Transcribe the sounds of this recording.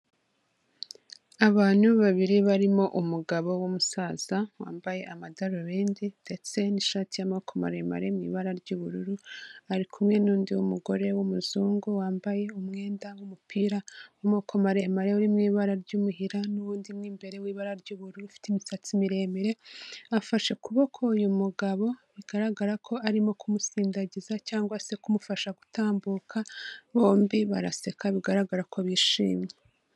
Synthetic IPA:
aβaːn̥huβaβiɾiβaɾimo̞ʔumuɡaβo̞wumusaːz̥awa̰ːmbaje̞ʔamadaɾoβeːndinde̞t͡se̞niʃaːtijamokʰoma̰ɾema̰ɾemŋḭːβaɾaɾɟuβuɾuɾuaɾikʰumŋe̞nuːndiwumuɡo̞ɾe̞wumuzuːŋɡuwaːmbaje̞umŋe̞ːndawumupʰiɾaumokʰomaɾe̞maɾeuɾimŋiːβaɾaɾɟuːmuhiɾanuβuːndimŋiːmbe̞ɾewiːβaɾaɾɟuːβuɾuufi̥timisat͡simiɾe̞meɾe̞afaʃe̞kuβokʰoujumuɡaβo̞βiɡ̥aɾaɡaɾakʰo̞aɾimo̞kʰumusiːndaɟizacaːŋɡwase̞kumufaʃaɡutaːmbukʰaβo̞ːmbiβaɾase̞kaβiɡaɾaɡaɾakʰo̞βiːʃḭːmɲe

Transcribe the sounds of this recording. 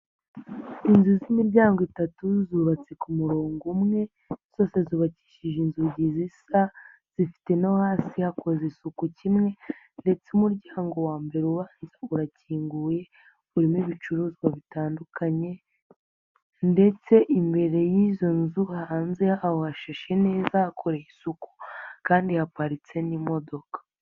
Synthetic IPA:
inzuzimiɾɟaːŋɡoitatuzuβat͡se̞kumuɾoːŋɡumŋe̞ | z̥o̞ːse̞zuːβaci̥ːʃiʒinzuɟizisa | z̥ifi̥te̞nahaːsihako̞zesukucimŋe̞ | nde̞t͡seumuɾɟaːŋɡo̞waːmbe̞ɾeuβaːnzauɾaciːŋɡuːje̞ | βuɾimiβit͡ʃuɾuːzɡwaβitaːndukʰaɲe̞ | nde̞t͡se̞ʔimbe̞ɾe̞jizo̞nzuhaːnze̞ahohaʃaʃe̞ne̞ːzahakʰo̞ɾejisuku̥kaːndihapaɾit͡se̞nimo̞do̞kḁ

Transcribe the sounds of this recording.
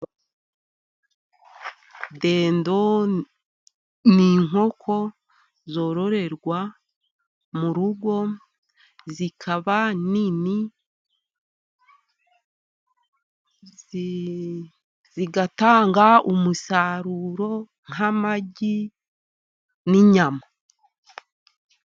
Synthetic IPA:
deːndo̞ | niːŋo̞kʰo̞ | zo̞ːɾo̞ɾe̞ɾɡwa | muɾuɡwo̞ | zikʰaβanini | ziɡataːŋɡaumusaɾuɾo̞ | ŋ̥amaɟi | niɲama

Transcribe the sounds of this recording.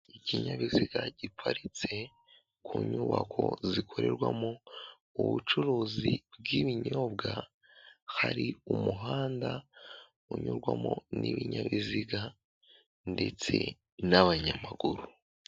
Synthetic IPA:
iciɲaβiziɡaɟipʰaɾit͡se̞ | kʰuɲuːβakʰo̞zikʰo̞ɾe̞ɾɡwamo | uβut͡ʃuɾuːzib̚ɡiβiɲoːbɡa | haɾiumuɦaːnda | uɲoɾɡwamoniβiɲaβiziɡa | nde̞t͡se̞ | naβaɲamaɡuɾu

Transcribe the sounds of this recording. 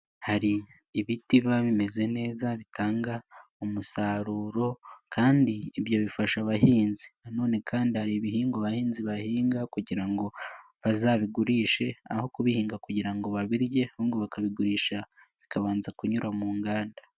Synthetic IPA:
haɾiː | βitiβaβime̞ze̞ne̞ːzaβitaːŋɡa | umusaːɾuːɾo̞kʰaːndiːβjo̞βifaʃaβaɦiːnzi̥nano̞ːne̞kʰaːndihaɾiβiɦiːŋɡoβahiːnziβahiːŋɡakuɟiɾaŋɡo̞ | βazaβiɡuɾiːʃe̞a̰ho̞kuβihiːŋɡakuɟiɾaŋɡo̞βaβiɾje̞huːŋɡoβakaβiɡuɾiːʃa | βikaβaːnzakuɲuɾamuːŋɡaːnda

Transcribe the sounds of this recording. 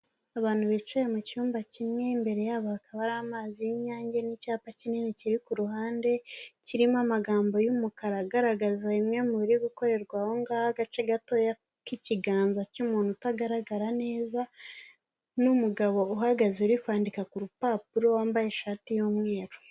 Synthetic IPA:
aβaːn̥huβit͡ʃejemucuːmbacimŋe̞imbe̞ɾe̞jaːβaakaβaɾamaːzijiɲaːɲɟenicaːpacininiciɾikuɾuɦaːnde̞ciɾimamaɡaːmbo̞jumukaɾaɡaɾaɡazaimŋe̞muβiɾiɡuko̞ɾe̞ɾɡwahoŋɡaːhaɡat͡ʃe̞ɡato̞ja | kiciɡaːnzacumuːnhutaɡaɾaɡaɾane̞ːza | numuɡaβo̞uɦaɡazeuɾikwaːndikakuɾupaːp̚uɾo̞waːmbajeʃaːtijuːmŋe̞ːɾo

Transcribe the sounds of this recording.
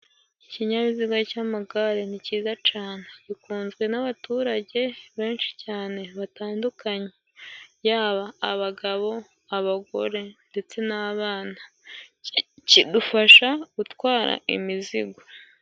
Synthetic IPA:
iciɲaβiziɡwacaːmaɡaɾeniciːzat͡ʃaːneɟikuːnzɡwe̞naβatuːɾaɟe̞βe̞ːnʃi̥caːne̞βataːndukaɲe | jaːβaːβaɡaβo̞ | aβaɡo̞̰ɾe̞nde̞t͡se̞naβaːna | cidufaʃaɡ̥utwaːɾa̰ʔḭmiziɡa

